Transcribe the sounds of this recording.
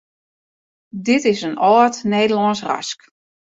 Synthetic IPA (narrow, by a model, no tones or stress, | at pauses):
dɪtɪsənɔːtneːdəlɔnsra̰sk